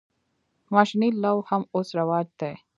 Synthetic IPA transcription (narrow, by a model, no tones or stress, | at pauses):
mɐʃnilːɐwhɐmʊsɾɐʋaːd͡ʒt̪eː